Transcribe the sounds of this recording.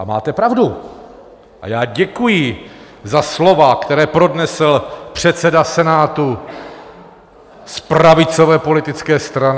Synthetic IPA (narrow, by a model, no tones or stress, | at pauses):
ama̰ːt̪ɛpɾavdu | ʔa̰jaːɟɛkujɪ | zaslo̞vakt̪ɛɾɛːpɾo̞dnɛsl̩pr̥ɛt̪sɛdasɛnaːt̪u | spɾavɪt͡so̞vɛːpo̞lɪt̪ɪt͡skɛːst̪ɾan